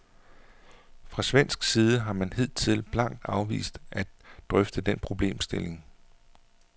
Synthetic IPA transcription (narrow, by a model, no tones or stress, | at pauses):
fʁɑ̈sʋen̰sɡ̥siːð̞ˠəɦɑ̈mænhe̝ð̞̰ˠt͡sʰe̝lb̥lɑ̈ŋ̰d̥ɑ̈ʊʋḭːsd̥ʔæ̥d̥ʁœfd̥əd̥enpʰʁo̝b̥le̝̰ːmsd̥e̝le̝ŋ